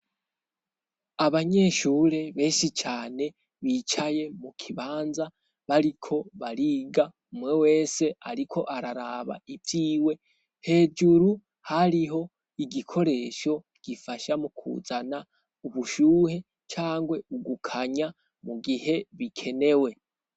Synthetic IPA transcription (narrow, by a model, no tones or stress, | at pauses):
aβaɲe̞ʃuːɾe̞βe̞ːʃit͡ʃaːne̞ | βiːt͡ʃaje̞mukʰiβaːnza | βaɾikʰo̞βaɾiɡa | umwe̞we̞ːse̞aɾikʰo̞ʔaɾaɾaβa̰ibiːwe̞ | he̞ːd͡ʒuɾu | haɾiɦo̞ | iɡikʰo̞ɾe̞ʃo̞ | ɡ̥ifaʃamukʰṵzana | uβuʃuːhe̞ | t͡ʃaːŋɡwe̞uɡukʰaɲa | muɡihe̞βikʰe̞ne̞we̞